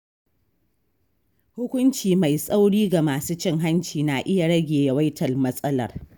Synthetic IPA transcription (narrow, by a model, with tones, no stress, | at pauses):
hʊ˦kʷʊ˦nt͡ʃiː˨ma˨jsʼa˦wɽiː˦ɡa˨maː˨suː˦t͡ʃɪ˦˨ŋɦa˦nt͡ʃiː˨na˨ʔɪ˦ja˨ɽɐ˦ɡʲeː˨ja˨wa˦jtʰɐ˨lmɐ˦sʼɐ˦lɐ̰˨r